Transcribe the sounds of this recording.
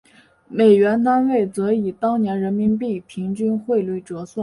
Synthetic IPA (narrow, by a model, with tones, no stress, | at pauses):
me˨˩ɪɥɛ˧˥nt̪a˥nwe˥˩ɪt͡sɤ˧˥i˨˩t̪ɑ˥ŋnjɛ˧˥nɻə˧˥nmi˧˥ŋpi˥˩pʰi˧˥ŋt͡ɕy˥nxwe˥˧ɪli˥˩ɪʈ͡ʂɤ˧˥swa˥˩